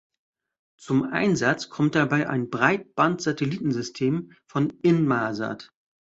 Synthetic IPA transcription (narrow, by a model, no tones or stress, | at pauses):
t͡sʊmʔa̰ɪnzat͡skʰɔmt̚d̥abaɪʔa̰ɪnbʁaɪt̚b̥antz̥atʰɛliːtn̩zʏstʰeːm | fɔnɪnmaːza̰t